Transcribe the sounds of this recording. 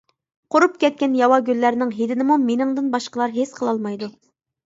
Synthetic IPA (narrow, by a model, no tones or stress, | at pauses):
qʰoɾup̚kʲɛt̪̚kʲɛnjɑwɑɡʲylːæɾnɪŋɦed̪ɪnɪmumenɪŋd̪ɨnbɑʃqəlˠɑɾɦesqʰəlˠɑlˠmɑjd̪u